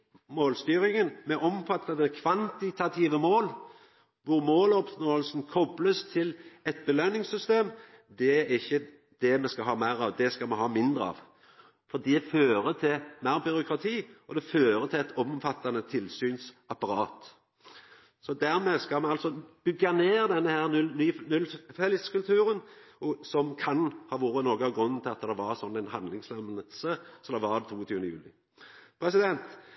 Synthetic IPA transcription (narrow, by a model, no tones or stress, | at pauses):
moːlst̪yːɾɪŋənmɛʔɔmfɑt̪ʰːɑnəkʰʋɑnt̪ɪt̪ʰɑt̪ʰiːʋəmoːl | ʋʊɾmoːlɔpsnoːəlsnkʰɔbləst̪ʰɪlɛt̪̚bəlønɪŋsʏst̪eːm | d̪ɛæɾɪçːə | d̪̥ɛmɛskɑɦɑːmæɪɾɑʋd̪ɛskɑmɛɦɑːmɪnd̪ɾəɑ̰ʋ | fɔd̪iːd̪ɛføːɾət̪ʰɪlmæɪʁbʏɾʊkʰɾɑt̪ʰiːɔd̪ɛføːɾət̪ʰɪlɛt̪ʰɔmfɑt̪ːɑnət̪ʰɪlsyːnsɑpɑɾɑːt̪ | sɔd̪æɾmeːskɑlmɛnɑlsɔb̥ʏɡːɑneːʁd̪ɛnːəhæːɾnnyːnʉlfɛləskʉlt̪ʰʉːɾənɔsɔmkʰɑnhɑːʋuːɾənoːɡəɑʋɡɾʉnːn̩t̪ʰɪlɑt̪ːd̪ɛʋɑʁsɔnːænɦɑnd̪lɪŋslɛmnəsəsɔd̪ɛʋɑd̪t̪ʰuːət̪ʰyːʋnəjʉ̰ːlɪ | pʰɾɛsɪd̪ɛnt̪